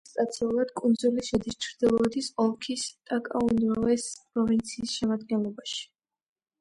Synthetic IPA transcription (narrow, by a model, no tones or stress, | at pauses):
st̪ʼat̪sʰɛulˠad̪kʼund̪zuliʃɛd̪ist͡ʃʰɾd̪ilˠɔd̪isɔlˠkʰist̪ʼakʼa̰und̪avɛspʼɾɔvint̪sʰiːsʃɛmad̪ɡɛnlˠɔbaʃi̥